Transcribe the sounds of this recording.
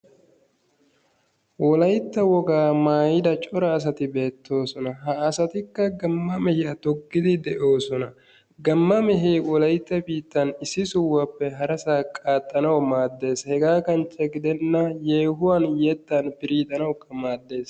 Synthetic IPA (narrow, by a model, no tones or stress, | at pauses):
wɔlɐjt̪ːɐwɔɡaːmaːjɪd̪ɐt͡ʃʼɔɾɐːs̬ɐt̪ɪbe̞ːt̪ːo̞ːsɔnɐɦɐːsɐt̪ɪkːɐɡɐmːɐmɛhɪjɐt̪ɔɡːɪd̪ɪd̪ɛʔo̞ːsɔnɐ | ɡɐmːɐmɛɦeːwɔlɐjt̪ːɐbiːt̪ːɐnɪsːɪsʊwːɐpːɛɦɐɾɐsaːkʼaːt̪ʼːɐnɐwmaːd̪ːe̞ːshɛɡaːkɐnt͡ʃʼːɛɡɪd̪ɛnːɐje̞ːɦʊwaːnjɛt̪ːɐnpɪɾiːt̪ʼɐnɐwkːɐmaːd̪ːe̞ːs